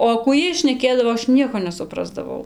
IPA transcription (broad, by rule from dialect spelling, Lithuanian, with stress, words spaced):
oː kuː ˈjiɛj ʃʲnʲɛˈkʲeːdɐʋoː ˈɐʃ ˈnʲiɛkoː nʲɛsʊˈprɑːzdɐʋɐʊ